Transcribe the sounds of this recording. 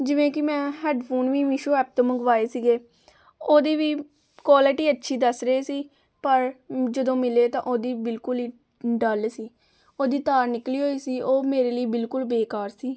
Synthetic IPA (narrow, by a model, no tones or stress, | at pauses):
d͡ʒɪʋẽːkɪmɛ̃ːɦɛːɖpʰuːnʋiːʋɪʃoːɛːp̚t̪õːməŋɡʋaːeːsiɡeː | oːd̪iːʋiː | kwaːlɪʈiːətːʃʰiːd̪əsɾəɦeːsiː | pəɾd͡ʒəd̪õːmɪleːt̪ãːʔoːd̪iːbɪlkʊliː | ɖəlsiː | oːd̪iːt̪aːɾnɪkliːɦoːiːsiːʔoːmeːɾeːləiːbɪlkʊlbeːkaːɾsiː